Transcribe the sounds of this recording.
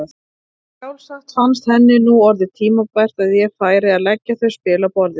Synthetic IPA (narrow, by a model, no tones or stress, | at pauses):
awlsaxt̪fanst̪hɛnːɪnuɔɾðɪt̪ʰiːmapajr̥t̪aðjɛfaːjɾɪaðlɛcːaθœɥspɪːlapɔɾðɪ